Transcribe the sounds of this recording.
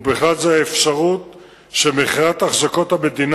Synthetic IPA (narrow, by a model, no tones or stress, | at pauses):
beχadzeaefʃaʁut̪ | ʃemeχiʁat̪aχzako̞t̪hame̞d̪in